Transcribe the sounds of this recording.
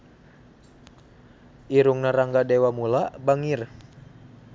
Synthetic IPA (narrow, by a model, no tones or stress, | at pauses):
ʔiɾuŋnaɾaŋɡadewamulabaŋir